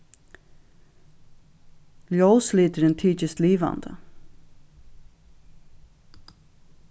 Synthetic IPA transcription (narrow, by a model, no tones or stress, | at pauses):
ljowsliːt̪əɾɛnt̪ʰiːt͡ʃəst̪liːʋɑ̰nd̪ə̰